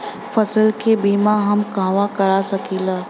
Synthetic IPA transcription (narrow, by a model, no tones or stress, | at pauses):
fʰəsəlkebiːmaɦɐmkãːʋakɐɾasɐkiːlaː